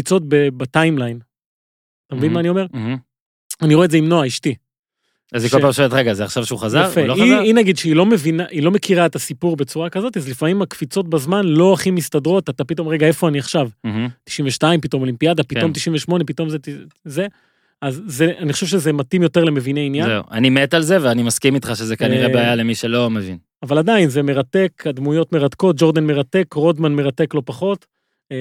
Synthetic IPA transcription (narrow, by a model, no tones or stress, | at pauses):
kfit͡so̞t̚bebatajmlajn | at̪amevinmaːniome̞ʁ | aniʁoedzeimno̞aiʃti | azikʃopaːmʃavet̪ʁeɡazeaχʃavʃeuχazaaʁfeloiinaɡid̪ʃeilo̞me̞vinaʔilo̞me̞kiʁaet̪asipuʁbe̞t͡suʁakazo̞t̪iazlifamimakfit͡so̞t̚bazmanlo̞aχimistadʁo̞tat̪apito̞mʁeɡae̞fo̞aniaχʃav̩t̪i̥ʃiɱveʃtaimpito̞molimpiad̪apito̞mt̪̬iʃiɱveʃmo̞ne̞pito̞mzetze | azzeaniχoʃevʃezemat̪imjo̞te̞ʁleme̞vineinjazeṵa̰nimet̪alze̞veanimaskimit̪χaʃezekaniʁebeajalemiʃelo̞mevḭn | avalad̪ainzeme̞ʁate̞kad̪mujo̞t̪me̞ʁatko̞t̚d͡ʒo̞ʁd̪anmeʁat̪e̞kʁodmanme̞ʁate̞klo̞paχo̞t